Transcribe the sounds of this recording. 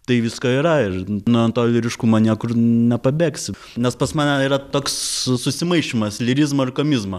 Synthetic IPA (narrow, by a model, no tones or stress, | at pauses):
t̪ɐɪʋʲɪskoːiɾɐɪrnʊɐnt̪oːlʲɪɾʲɪʃkumɐnʲiɛkʊrnʲɛpɐbʲeːksʲ | nʲɛspɐsmɑːnʲɛiːɾɐt̪oːkssʊsʲɪmɐɪʃʲimɐslʲɪɾʲizmoɪrkomʲizmɐ